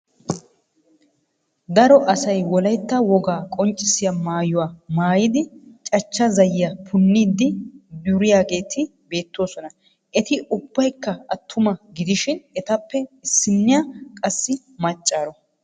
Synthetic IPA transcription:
d̪ɐɾɔʔɐsɐjwɔlɐjt̪ːɐwɔɡaːkʼɔnt͡ʃʼːɪsɪjamaːjʊwaːmaːjɪd̪ɪt͡ʃʼɐt͡ʃːɐzɐjːɐpʰʊnːiːd̪ːɪd̪ʊɾɪjaːɡe̞ːt̪ʰɪbe̞ːt̪ːo̞ːsɔnɐ | ʔɛt̪ɪʔʊb̥ːɐjkːɐɐt̪ʰːʊmɐɡɪd̪ɪʃɪnɛt̪ɐpːɛɪsːɪnːɪjakʼɐsːɪ | mɐt͡ʃʼːaːɾɔ

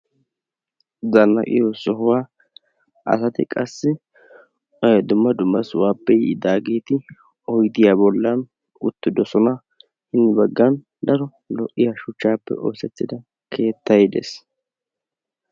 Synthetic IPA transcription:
zɐnːɐ̰ʔʼɪ̰jɔsɔɦʊwaː | ɐ̰sɐt̪ɪ̰kʼɐsːɪ | d̪ʊmːɐd̪ʊmːɐswaːpːɛjɪd̪aːɡeːt̪ɪ | ɔjt̪ɪjabɔlːɐn | ʊt̪ːɪd̪ɔsɔnɐ | hɪnːɪbɐɡːɐn | d̪ɐɾɔ | lɔʔːɪjaʃʊt͡ʃːaːpːɛ̰oːsɛt̪ːɪd̪ɐ | kʰe̞ːt̪ːɐjd̪ḛs

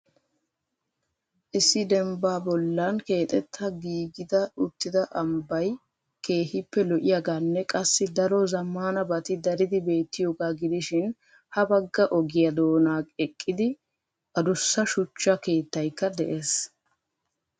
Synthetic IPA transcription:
ʔɪsːɪd̪ɛmbaːbɔlːɐnke̞ːt̪ʼɛt̪ʰːɐɡiːɡɪd̪ɐʊt̪ːɪd̪ɐʔɐmbɐj | ke̞ːhɪpːɛlɔʔɪjaɡaːnːɛkʼɐsːɪd̪ɐɾɔzɐmːaːnɐbɐt̪ɪd̪ɐɾɪd̪ɪbe̞ːt̪ːɪjoːɡaːɡɪd̪ɪʃɪn | hɐbɐɡːɐʔɔɡɪjɐd̪o̞ːnaːɛkʼːɪd̪ɪ | ʔɐd̪ʊsːɐʃʊt͡ʃːɐke̞ːt̪ːɐjkːɐd̪ɛʔe̞ːs

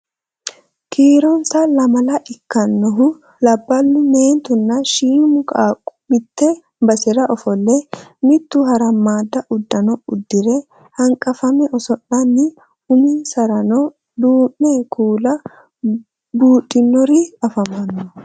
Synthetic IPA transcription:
kʰiːɾɔnsalɐmɐlɐʔɪkːɐnːɔɦʊ | lɐbːɐlːʊneːnt̪ʊnːɐʃiːmʊkʼaːkʼːʊ̥mɪt̪ːɛ | bɐsɪɾɐʔɔfɔlːɛmɪt̪ːuɦɐɾɐmːaːd̪ːɐʔʊd̪ːɐnɔʊd̪ːɪɾɛ | hɐŋkʼɐfɐmɛʔɔsɔʔːɐnːɪ | ʊminsɐɾɐnɔ | d̪uːnːɛkʰuːlɐ | buːᶑɪnːɔɾiɐfɐmɐnːɔ

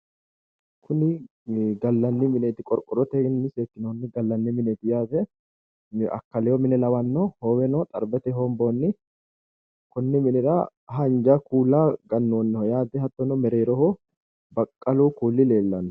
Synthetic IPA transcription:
kʰʊnɪ | ɡɐlːɐnːɪmɪneːt̪ɪkʼɔɾkʼɔɾɔt̪ɛnːɪseːkːɪnoːnːɪɡɐlːɐnːɪmɪneːt̪ɪjaːzɛ | ɐ̰kːɐlɛjɔmɪnɛlɐwɐnːɔhɔwɛnɔt̪ʼɐ̰ɾbɛt̪ɛɦɔmboːnːɪ | kʊnːɪmɪnɛɾɐ | ɦɐnd͡ʒɐkuːlːaːɡɐnːoːnːɛhɔjaːd̪ɛhɐt̪ːɔnɔmɛɾeːɾɔhɔ | bɐkʼːɐluːkuːlːɪle̞ːlːɐnːɔ

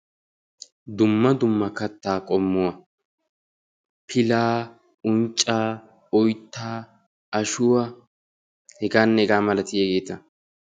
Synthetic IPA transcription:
d̪ʊmːɐd̪ʊmːɐkɐt̪ːaːkʼɔmːʊwɐ | pʰɪlaː | ʊnt͡ʃʼːaː | ɔjt̪ːaː | ɐʃʊwɐ | hɛɡaːnːɛɛɡaːmɐlɐt̪ɪjɛɡeːt̪ɐ

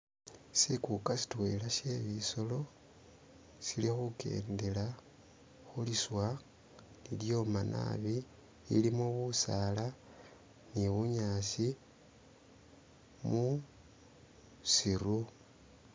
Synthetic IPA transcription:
sikukasi̥twelaʃe̞βiso̞lo̞ | silixuke̞̰ːnde̞la | xuliswa | liljo̞manʔa̰βi | ḭlimoβusala | niβuɲasi | mu | siɾu

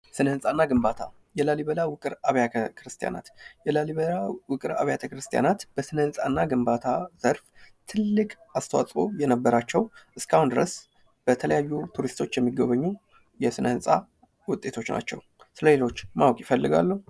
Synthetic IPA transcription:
sɨnəhɨnsʼanːaɡɨmbat̪ʰa | jɛlaliβəlawʊkʼɨɾaβjakʰɾɨst̪ʰija̰na̰t̪jɛlaliβəlawʊkʼɨɾa̰βjat̪ʰəkɾɨst̪ʰija̰nat̪b̥əsɨnəhɨnsʼanːaɡɨmbat̪ʰaz̥əɾft̪ʰɨlːɨkʼ | ast̪ʰəwa̰sʼo̞̰jɛnəbːəɾat͡ʃːɛwʔɨskʰahund̪ɨɾəs | b̥ət̪ʰələjajːut̪ʰuɾist̪ʰo̞t͡ʃːjɛmːiɡəβəɲːu | jɛsɨnəhɨnsʼa | wʊt̪ʼːe̞t̪ʰo̞t͡ʃːna̰t͡ʃːɛ̰w | sɨləlelo̞t͡ʃːmawkʼjɪfəlːɨɡa̰lːə

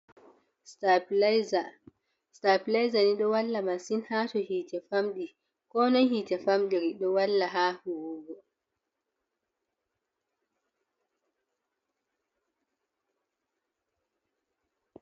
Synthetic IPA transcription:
sta | staplajzaniɗɔwalːamansinhatɔhiːtɛfamɗi | kɔnɔhiːtɛfamɗiɾiɗɔwalːaɦahuwuːɡɔ

